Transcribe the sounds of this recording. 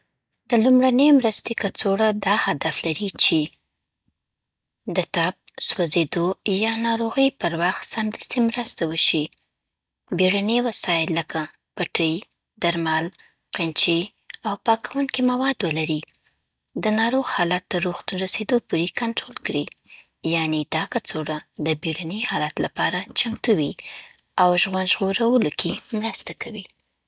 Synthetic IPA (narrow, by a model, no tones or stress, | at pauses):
d̪əlumɽanəjmɾəst̪ekat͡soɽad̪ɑhad̪aflaɾit͡ʃe | d̪ət̪ɑb̚swazed̪ojɑnɑɾoɣəjpəɾwaxt̪samd̪əst̪imɾəst̪awəʃi | beɽanewasɑɪlːəka | paʈəj | d̪̥aɾmal | qent͡ʃi | awpɑkawuŋkimawɑd̪wəlaɾi | d̪ənɑɾoɣhɑlat̪ːəɾːuxt̪unɾased̪opuɾekanʈɾolkɽi | janed̪ɑkat͡soɽad̪əbeɽanijhɑlat̪lapɑɾat͡ʃamt̪uwi | awʒɣwand̪ʒɣoɾawəlokʰemɾəst̪akʰawi